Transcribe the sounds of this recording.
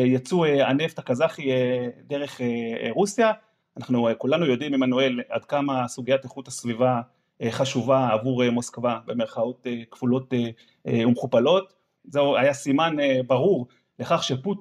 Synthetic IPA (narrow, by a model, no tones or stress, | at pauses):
jat͡sueane̞ftakazaχiedeʁe̞χeʁusja | anaχnukulanujo̞dimimanoe̞la̰dkamasuɡijateχuthasviva | eχaʃuvaːvuʁemo̞skvabe̞me̞ʁχao̞tekv̥ulo̞te | umχupalo̞t | zeajasimanebaʁuʁ | leχaχʃeput